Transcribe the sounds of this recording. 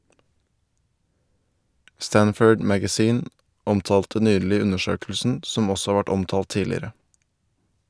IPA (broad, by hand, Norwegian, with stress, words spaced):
ˈstænfœɖ ˈmæɡæˌziːn ˈɔmtɑːltə ˈnyːɭɪ ˈʉnəˌʃøːklsn̩ ˈsɔm ˈɔsɔ ˈhɑːɾ ˈʋæʈ ˈɔmtɑːlt ˈtiːlɪɾə